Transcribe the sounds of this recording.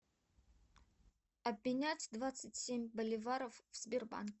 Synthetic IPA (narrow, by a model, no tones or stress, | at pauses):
ɐbːʲɪnʲatʲd̪vat̪sɨtʲsʲemʲbɐlʲɪvaɾəfvz̥bʲɪrba̰nkʲ